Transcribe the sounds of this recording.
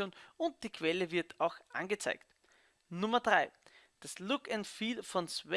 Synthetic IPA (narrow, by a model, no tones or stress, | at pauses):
oːnʊnt̚d̥iːkʰv̥ɛləvɪɐtʰaʊxʔã̰nɡət͡sa̰ɪkt | nʊmɐdʁaɪ | d̥aslʊkɛntfiːlfɔ̃nsvɛ